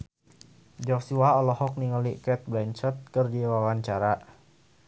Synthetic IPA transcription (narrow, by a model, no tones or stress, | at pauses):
d͡ʒɔksuaɔlɔhɔk̚niŋɔlikɛt̪̚blɛnt͡ʃɔt̪̚kərdiwawaɲt͡ʃaɾa